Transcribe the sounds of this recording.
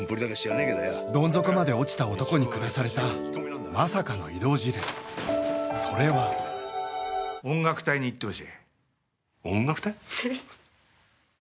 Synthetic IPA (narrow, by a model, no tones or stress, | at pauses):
mpoɾʲid̪akeɕianeked̪ojad̪õ̞nd͡zo̞kɯ̟mad̪e̞o̞t͡ɕi̥t̪aot̪o̞ko̞ɲ̟ikɯ̟d̪asaɾe̞t̪a | masakano̞̰id̪o̞ːʑiɾḛ̃ | so̞ɾe̞βa | õ̞ŋɡakɯ̟̥t̪aiɲ̟iːt̪ːe̞oɕie | õŋɡakɯ̟̥t̪ai